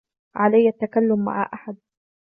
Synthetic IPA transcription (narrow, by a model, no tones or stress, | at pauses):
ʕalajːat̪ːakalːʊmːa̰ʕa̰ʔaħad̪̚